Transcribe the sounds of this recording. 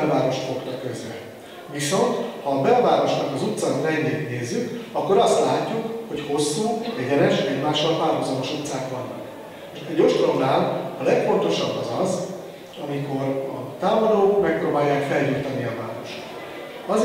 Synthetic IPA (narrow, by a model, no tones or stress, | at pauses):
lvaːɾo̞ʃfokt̪ɒkːøzbɛ̰ | viso̞nt̪hɒːbɛlvaːɾo̞ʃnɒkɒzut̪sant̪ɛɲːeːt̪neːzːykɒkːo̞ɾɒst̪laːcːukho̞cho̞sːuːɛɟɛnɛʃɛɟmaːʃɒlpaːrɦozɒmo̞ʃut̪saːkʋɒnːɒ̰k | ɛɟoʃt̪oɾonaːlɒlɛkfo̞nt̪o̞ʃɒbːɒzɒz | ɒmiko̞ɾɒt̪aːmɒd̪oːkmɛkproːbaːjːaːkfɛlɟuːt̪ɒniɒvaːɾo̞̰ʃt̪t̪ | ɒz